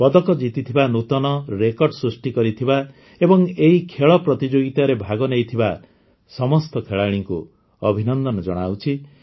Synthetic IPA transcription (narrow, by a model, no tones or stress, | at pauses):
pɔd̪ɔkɔd͡ʒit̪it̪ʰibanut̪ɔnɔɾekɔɾɖsɾusʈikɔɾit̪ʰiba | ebɔŋeɦikʰeɭɔpɾɔt̪id͡ʒoɡit̪aɾebʱaɡɔnejt̪ʰiba | sɔmɔst̪ɔkʰeɭaɽ̃iŋku | ɔbʱinɔnd̪ɔnɔd͡ʒɔ̰ɽ̃awt͡ʃʰi